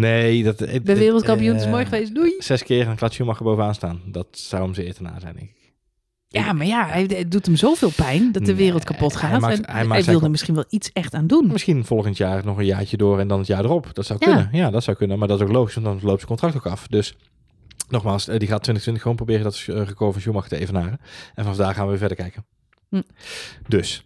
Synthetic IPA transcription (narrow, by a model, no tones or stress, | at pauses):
nejdtbɛʋɪːrəlˠtkɑmpijunɪsmɔɹχəʋejsdujsɛskɪːrnklatsumɑxəbowvənaːnstaːndɑtsʌwəmzəɪːtəna̰ːzɛ̰jndɛ̰ŋkɪk | jamaːjaɛdutəmzowvɪːlˠpɛjndɔdəʋɪːrəlˠt̚kapɔtχaːtanɛjmaɛjsʋɪlˠdəɹmɪsχinʋɛlˠitsɛxtaːndunmɪsxinv̥ɔlˠɣəntjaːɹnɔχənjaːɹt͡ʃədoːrɛndɑnətjaːɹdərɔpd̥ɑtsɔwkønənjaːdɑtsɔwkɵnəmaːɹdɑtɪsowklowχisʋɑndɑnlowp̚səkɔntrɑktokɑfdɵs | nɔχmaːlˠsdiχaːtːʋɪntəxtʋɪntəxəʋoːnprowbɪːrədɔtərəkoəənsjumɑxətəejvənaːrəʔɛnfɑnɑvdaːχaːnʋəʋɪːvɛɹdəɹkɛjkən | dɵs